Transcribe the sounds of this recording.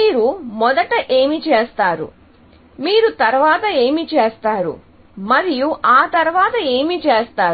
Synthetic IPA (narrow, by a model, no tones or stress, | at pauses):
iːɾumɔd̪ɐʈɐʔeːmit͡ʃe̞ːst̪aːɾṵ | miːɾut̪ɐɾʋaːt̪ɐe̞ːmit͡ʃeːst̪aːɾṵ | mɐɾijuʔaːt̪ɐɾʋaːt̪ɐeːmit͡ʃeːst̪aː